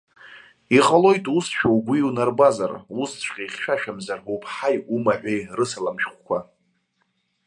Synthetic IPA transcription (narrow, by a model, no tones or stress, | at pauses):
iqʼalo̞jtʼusʃᶣawɡʷiunarbaza̰rust͡ʃʷʰʼqʲʼaχʲʃʷᶣaʃᶣamzarupʰħajumaħᶣʷejrɨsalamʃχʷkʷʰa